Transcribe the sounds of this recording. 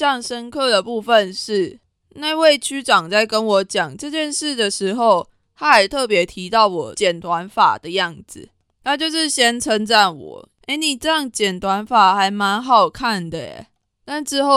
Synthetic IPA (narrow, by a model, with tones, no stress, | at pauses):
jɑ˥˩ŋʂə˦nkʰɤ˥˩d̪ə˩pu˥˧fə˨nʂɻ̩˥˩ | na˥˧ɪwe˥˩ɪt͡ɕʰy˥ʈ͡ʂɑ˨˩ŋt͡sa˥˩ɪkə˦nwɔ˧˥t͡ɕjɑ˨˩ŋʈ͡ʂɤ˥˧t͡ɕjɛ˥˧nʂɻ̩˥˩d̪ə˩ʂɻ̩˧˥xo˥˧ʊ | t̪ʰa˦˥xa˧˥ɪt̪ʰɤ˥˩pjɛ˨˥t̪ʰi˧˥t̪ɑ˥˩ʊwɔ˨˦t͡ɕjɛ˨˩nt̪wa˧˦nfa̰˨˩d̪ə˦jɑ˥˩ŋd͡zɹ̩˨˩ | t̪ʰa˥t͡ɕjo˥˧ʊʂɻ̩˥˩ɕjɛ˥nʈ͡ʂʰə˧˥ŋʈ͡ʂa˥˩nwɔ̰˨˩˦ | e˧˦ɪni˨˩ʈ͡ʂɤ˥˧jɑ˥˩ŋt͡ɕjɛ˨˩nt̪ʰwa˧˦nfa˨˩xa˧˥ɪma˧˦nɦɑ˨˩ʊkʰa˥˩nd̪ə˩ɛ̰˨˩ | t̪a˥˧nʈ͡ʂɻ̩˥˧ho˥˨